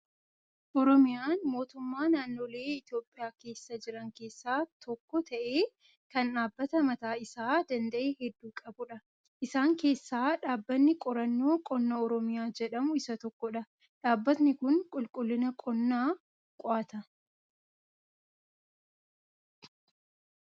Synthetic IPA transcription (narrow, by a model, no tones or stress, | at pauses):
ʔɔɾɔmɪjaːnmo̞ːt̪ʊmːaːnaːnːo̞ːle̞ːɪt̪jo̞ːpʼːɪjaːke̞ːsːɐd͡ʒɪɾɐŋke̞ːsːaːt̪ʰɔkːɔt̪ʰɐʔe̞ː | kɐnᶑaːbːɐt̪ɐmɐt̪aːɪsaːd̪ɐnd̪ɐʔeːhɛd̪ːuːkʼɐbʊᶑɐ | ʔɪsaːŋke̞ːsːaːᶑaːbːɐnːɪkʼɔɾɐnːo̞ːkʼɔnːoɔɾɔmɪjaːd͡ʒɛᶑɐmʊɪsɐt̪ɔkːɔᶑɐ | ᶑaːbːɐt̪nɪkʊŋkʼʊlkʼʊlːɪnɐkʼɔnːaː | kʼɔaːt̪ɐ